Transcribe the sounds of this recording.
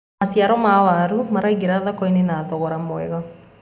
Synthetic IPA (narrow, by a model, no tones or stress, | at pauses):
asjaɾɔmawaɾumaɾaiɣeɾaðakɔinenaðɔɣɔɾamwɛɣa